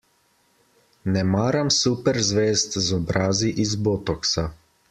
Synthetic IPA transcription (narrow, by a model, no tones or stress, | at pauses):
nɛmaːɾamsupɛɾzʋeːst̪zɔbɾaːziʔizboːt̪ɔksa